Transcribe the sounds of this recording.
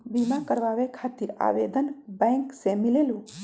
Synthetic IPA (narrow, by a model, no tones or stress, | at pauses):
bimakəɾʋaːʋekʰaːt̪iɾa̰ːʋeːd̪ənbɛ̃ŋksemileːlũ